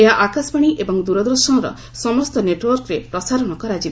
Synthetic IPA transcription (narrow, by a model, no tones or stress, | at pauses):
eɦaʔakasbaɽ̃iʔebɔŋd̪uɾɔd̪ɾɔsɔ̃ɾɔ̰ | sɔmɔst̪ɔneʈwɔɾkɾepɾɔsaɾɔɽ̃ɔkɔɾad͡ʒib